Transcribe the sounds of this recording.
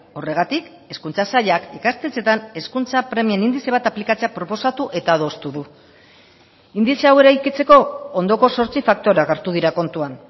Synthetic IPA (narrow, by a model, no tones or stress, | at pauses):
o̞re̞ɣ̞at̪ik | e̞skunt͡sasaʎakikast̪ese̞t̪ane̞skunt͡sapɾe̞mienind̪ise̞βat̪aplikat͡seapɾo̞po̞sat̪uʔe̞t̪aðo̞st̪uðu | ind̪iseawe̞ɾajkit͡se̞ko̞ond̪o̞ko̞so̞ɾt͡sifak̚t̪o̞ɾaɣeɾt̪uðiɾako̞nt̪uan